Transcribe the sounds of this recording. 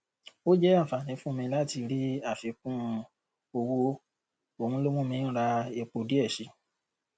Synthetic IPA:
o˦d͡ʒɛ˦a˦˨fa˨nĩ˨˦fũ˦˧mĩ˧la˦˨ti˧ɾi˦a˦˨fi˧˦kũ˦˧ | o˧wo˦˧˦ | o˧hũ˧˦lo˦mũ˦mĩ˧˦ñ̩˦ɾa˧e˧k͡po˧di˦ɛ˦˨ʃi˨˦

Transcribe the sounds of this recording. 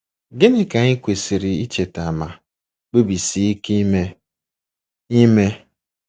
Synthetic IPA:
ɡe˦nɪ˦ka˨ɲɪ˦kʷe˨si˨ɾɪ˨i˦t͡ʃe˨ta˨ma˨ | k͡pe˦bi˨si˨i˦ki˦me˦ | i˦me˦

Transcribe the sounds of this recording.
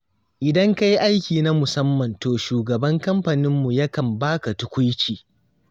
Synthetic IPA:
ʔɪ˨dɐ˦ŋka˦ji˦ʔa˦jkʲiː˨na˦mʊ˨sɐ˦mːɐ˨ntoː˨ʃuː˨ɡɐ˨bɐ˦ŋkɐ˦mɸa˨nɪ˦mːu˨jɐ˦kɐ˨mbaː˦ka˨tʊ˦kʷʊ˦jt͡ʃiː˨

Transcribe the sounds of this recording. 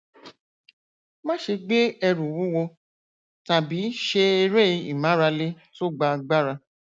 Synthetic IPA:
mã˦ʃe˧ɡ͡be˦ɛ˧ɾu˨wu˦wo˧ | ta˨bi˨˦ʃe˧e˧ɾe˦i˧ḭ˨mã˨˦ɾa˧le˦ | to˦ɡ͡ba˧ɡ͡ba˦ɾa˧

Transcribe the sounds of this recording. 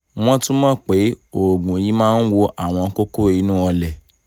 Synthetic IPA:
w̃ɔ̃˦tũ˦mã˦k͡pe˨˦o˦˨ɡũ˨ji˨˦mãː˦n̩˦wo˧ʔa˦˨w̃ɔ̃˧ko˦ko˦i˨˧˦nũː˦ɔ˧lɛ˨

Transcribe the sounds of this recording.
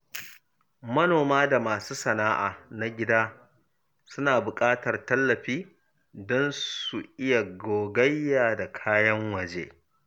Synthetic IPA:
mɐ˦noː˨maː˦da˨maː˨suː˦sɐ˨naː˦ʔaː˨na˨ɡʲɪ˦daː˦ | sʊ˦naː˨bʊ˨kʼaː˦tɐ˨rtɐ˦lːɐ˨ɸiː˦ | dɔ˦nsu˨ʔɪ˦ja˨ɡoː˨ɡɐ˦jːaː˨da˨kʰaː˦jɐ˦ŋwɐ˨d͡ʒḛː˦

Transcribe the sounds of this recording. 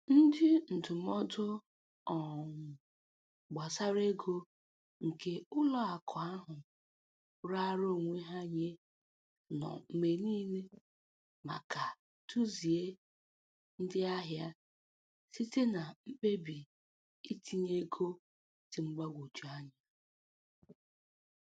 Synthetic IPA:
n̩˦dɪ˦n̩˨tʊ˨m˦ɔ˦dʊ˦ | ɔ˨ŋʷʊ˨ | ɡ͡ba˨sa˦ɾe˦ɡo˦ | ŋ̩˨ke˦ʊ˦lɔ˦a˨kʰɔ˨a˦ɦʊ˨ | ɾa˦ɾo˦˨ŋʷe˦ɦa˦ɲe˦ | nɔ̰˨m̩˨me˨niː˦ne˦ | ma̰˨ka˨ | tu˦zi˨e˦ | n̩˦dɪ˦a˦ɦja˦ | si˦te˦na˨m̩˦k͡pe˦bi˨ | i˦tʰi˦ɲe˦ɡʰo˦ | ti˨ŋ͡m̩˦ɡ͡ba˦ɡʷo˨t͡ʃu˨a˦ɲa˨

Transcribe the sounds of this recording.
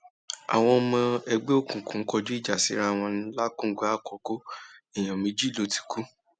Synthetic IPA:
a̰˨w̃ɔ̃˧mɔ̃˧ɛ˧ɡ͡be˦o˦˨kũ˨kũ˨ŋ̩˦kɔ˧d͡ʒu˦i˦˨d͡ʒa˨si˨˦ɾa˦˨w̃ɔ̃˧ñ˦la˦kũ˦˨ɡu˨˦a˦˨kɔ˨˦ko˦i˦˨j̃ã˨mĩ˨˦d͡ʒi˦˨lo˨˦ti̥˧ku˦

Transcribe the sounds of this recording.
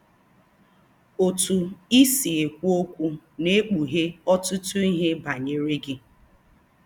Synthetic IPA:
o˨tu˨i˦si˨e˨kʷu˦o˦kʷu˦ne˦k͡pu˨ɦe˦ɔ˦tʊ˦tʊ˦i˦ɦe˦ba˨ɲe˨ɾe˦ɡi˦

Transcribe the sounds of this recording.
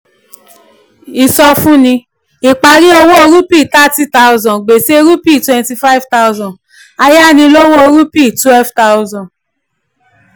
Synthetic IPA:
i˨sɔ˧fũ˦nĩ˧ | i˨k͡pa˧˨ɾi˦o˧wo˦o˧ɾu˦pi˦˨ta˦ti˦ta˧u˧zɔ̃˨ɡ͡be˨se˦e˧ɾu˦pi˦˨twɛ̃˧nti˧fa˦i˦vta˦u˧zɔ̃˨ | a˧ja˦˨nĩ˧lo˦wo˦o˧ɾu˦pi˦˨tu˨˦ɛ˦lfta˦u˦zɔ̃˨

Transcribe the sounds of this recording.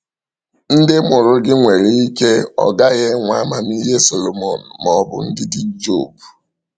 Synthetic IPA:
n̩˦dɪ˦mʊ˨ɾʊ˦ɡɪ˦ŋʷe˨ɾe˦i˦ke˦ɔ̰˨ɡa˦ɣe˦ŋʷa˦ma˨n˦i˦ɦe˦so˨lo˨mɔ˨n̩˨mɔ˦bʊ̰˦n̩˦dɪ˦dɪ˦d͡ʒo̰˦˨bu˨

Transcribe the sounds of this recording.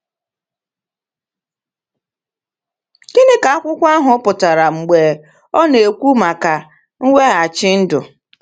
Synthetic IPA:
ɡi˦nɪ˦ka˨a˦kʷʊ˦kʷa˦ɦʊ˨˦pʊ˨ta˨ɾa˨ŋ͡m̩˨ɡ͡beː˨ | ɔ˦ne˨kʷu˦ma˨ka˨ | ŋ̩˦wʷe˦ɣa˨t͡ʃɪ˦n̩˦dʊ˨

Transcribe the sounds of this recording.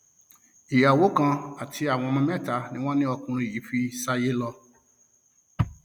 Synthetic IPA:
i˨ja˨wo˨˦kã˧a˨tʰi˧a˦˨w̃ɔ̃˧mã˧mɛ̃˦˨ta˨˦nĩ˦w̃ɔ̃˦nĩ˦ɔ˧kũ˧ɾ̃ũ˧i˨ji˨˦fi˦sa˦je˦lɔ˧

